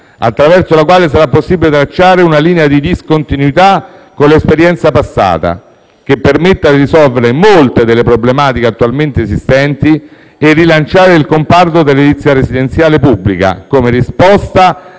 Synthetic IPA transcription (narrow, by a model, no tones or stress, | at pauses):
a̰t̪ːɾavɛrsolakwaːlesaɾapːosːibilet̪ɾat͡ʃːaːɾeunaliːnead̪id̪iskont̪inwit̪akːonlespeɾjɛnt̪sapasːa̰ːt̪a̰ | k̟epːermet̪ːad̪iɾisɔlveɾemolt̪ed̪elːepɾoblemaːt̪ikeat̪ːualment̪eːsist̪ɛnt̪i | erːilant͡ʃaːɾeilkompart̪od̪elːelit̪sːjaɾesid̪ent̪sjaːlepubːlḭka̰komerispɔst̪a